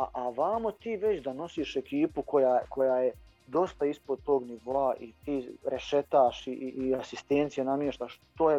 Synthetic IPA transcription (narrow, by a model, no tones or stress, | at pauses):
aʔaʋaːmot̪iːʋe̞t͡ɕd̪ano̞siːʃe̞kiːpuko̞jaːko̞jaːje | d̪o̞st̪aispo̞d̪̚t̪o̞ːɡniʋoaʔit̪iːɾeʃet̪aːʃiiʔːasist̪eːnt̪sijenamjeʃt̪aːʃt̪oːje